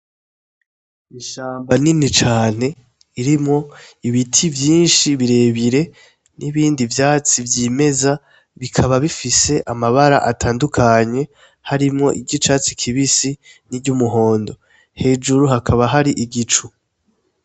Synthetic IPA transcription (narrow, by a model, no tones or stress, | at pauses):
iʃaːmbaninit͡ʃaːn̥e̞ | iɾimŋo̞iβitʰivjiːnʃiβiɾe̞ːβiɾe̞ | nʔiβiːndivjaːt͡sivjime̞za | βikʰaβaβifise̞ʔamaβaɾa̰ʔatʰaːndukʰaɲe̞ | haɾimŋo̞̰ʔiɟit͡ʃaːt͡sikʰiβisi | niɟumuɦo̞ːndo̞ | he̞ːd͡ʒuɾuɦakʰaβaɦaɾiʔiɡit͡ʃu